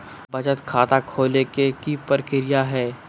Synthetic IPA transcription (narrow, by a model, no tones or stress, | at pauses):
bɐd͡ʒət̪kʰaːt̪akʰoːlekekipəɾkɪɾɪjaɦɛː